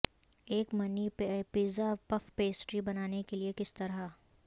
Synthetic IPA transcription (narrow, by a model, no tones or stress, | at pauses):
eːkmɐnipepiːzapɐfpeːsʈɾibɐnaːnekeliekɪst̪ɐɾɦa